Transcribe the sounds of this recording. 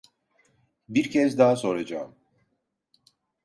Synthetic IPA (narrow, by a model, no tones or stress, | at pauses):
biɾcʰɛzd̪aɦaso̞ɾad͡ʒaːm